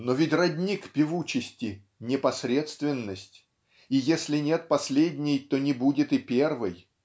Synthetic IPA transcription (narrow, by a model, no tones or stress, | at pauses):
novʲɪtʲrɐdʲnʲikpʲɪvut͡ɕɪsʲtʲɪ | nʲɪpɐsɾʲe̞t̪st̪vʲɪnːəsʲtʲ | ijesʲlʲɪnʲe̞t̪̚pɐsʲlʲedʲnʲɪjt̪o̞nʲɪbudʲɪt̪ɨpʲervɨj